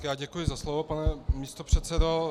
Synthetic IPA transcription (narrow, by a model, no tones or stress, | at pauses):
kjaːɟɛkujɪzaslovopanɛmist̪opr̝̥ɛt̪sɛdo